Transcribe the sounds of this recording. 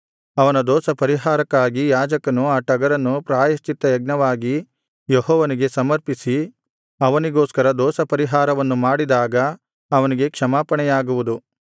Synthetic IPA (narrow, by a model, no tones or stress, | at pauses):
ɐʋɐnɐd̪ɔːsɐpɐɾiɦaːɾɐkːaːɡijaːd͡ʒɐkɐnuaːʈɐɡɐɾɐnːupɾaːjɐst͡ʃit̪ːɐjɐɡ̚nɐʋaːɡi | jeɦɔːʋɐniɡe̞sɐmɐɾpisi | ɐʋɐniɡoːskɐɾɐd̪ɔːsɐpɐɾiɦaːɾɐʋɐnːumaːɽid̪aːɡɐ | ɐʋɐniɡe̞kʂɐmaːpɐɳɛjaːɡuʋud̪u